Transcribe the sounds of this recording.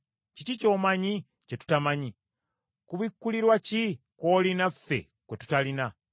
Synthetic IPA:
cicico̞ːmaɲi | ce̞tu̥tamaɲi | kuβikːuliɾwaci | ko̞ːlinafːe̞̰ | kwe̞tu̥talina

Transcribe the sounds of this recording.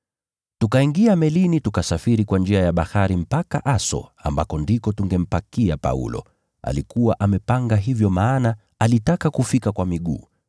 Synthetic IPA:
tukaiŋɡiamɛlinitukasafiɾikwand͡ʒiajaɓahaɾim̩paka̰ʔasɔ̰a̰mbakɔndikɔtuŋɡɛm̩pakiapa̰ṵlɔ̰ | a̰likuwaʔamɛpaŋɡaɦivjɔmaːna | alitakakufikakwamiɠṵː

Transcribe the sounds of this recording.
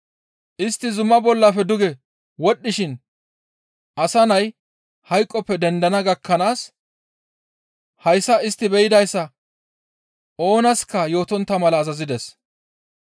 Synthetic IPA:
ʔɪst̪ːɪzʊmːɐbɔlːɐfɛd̪ʊɡɛ | wɔɗːɪʃɪn | ʔɐsɐnɐj | hɐjkʼːɔpːɛd̪ɛnd̪ɐnɐɡɐkːɐnaːs | hɐjsːɐɪst̪ːɪbɛjɪd̪ɐjsːɐ | o̞ːnɐskɐjo̞ːt̪ɔnt̪ːɐmɐlɐːzɐzɪd̪ɛs

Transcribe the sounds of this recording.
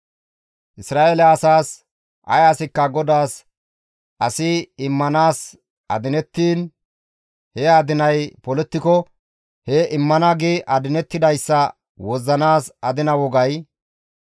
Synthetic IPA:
ʔɪsɾaːelɛɐsaːs | ʔɐ̰jɐsɪkːɐɡɔd̪aːs | ʔɐsɪɪmːɐnaːs | ɐ̰d̪ɪnɛt̪ːiːn | hɛaːd̪ɪnɐjpɔlɛt̪ːɪkɔ | hɛʔɪmːɐnɐɡɪʔɐd̪ɪnɛt̪ːɪd̪ɐjsːɐ | wɔzːɐnaːsɐd̪ɪnɐwɔɡɐj

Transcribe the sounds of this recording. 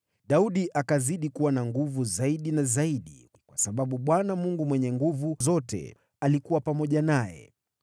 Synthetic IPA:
ɗauɗiʔakaziɗikuwanaŋɡuvuzaiɗinazaiɗḭ | kwasaɓaɓuɓwanamuŋɡumwɛɲɛŋɡuvuzɔtɛ̰ | alikuwapamɔʄanajɛ̰

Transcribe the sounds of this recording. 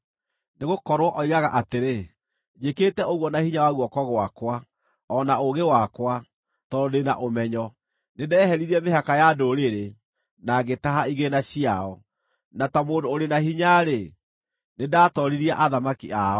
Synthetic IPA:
neɣokɔɾwɔʔɔiɣaɣaʔateɾe | ɲeketɛoɣwɔnahiɲawaɣwɔkɔɣwakwa | ɔnaoɣewakwa | tɔdenaʔomɛɲɔ | nedɛːɦɛɾiɾiɛmeɦakajadoɾeɾe | naɣetaɦaiɣenaɕiaɔ | natamoːdoːɾenahiɲaɾe | nedaːtɔɾiɾiaʔaðamakiʔaɔ

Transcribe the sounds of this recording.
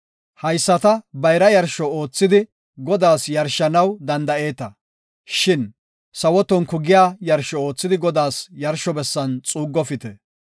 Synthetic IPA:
hɐjsːɐt̪ɐbɐjɾɐjɐɾʃɔo̞ːt͡sːɪd̪ɪ | ɡɔd̪aːsjɐɾʃɐnɐwd̪ɐnd̪ɐe̞ːt̪ɐ | ʃɪn | sɐwɔt̪ːɔnkʊɡɪjaːjɐɾʃɔo̞ːt͡sːɪd̪ɪɡɔd̪aːsjɐɾʃɔbɛsːɐnt͡sʼuːɡːɔfɪt̪ɛ

